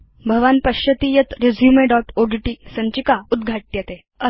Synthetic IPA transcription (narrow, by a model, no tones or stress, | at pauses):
bʱəʋanpəɕət̪iːjət̪ɾed͡zʱjumeɖɔʈoɖiʈisə̃ɲt͡ɕikaud̪ɡʱaʈ̚ːjet̪e | ə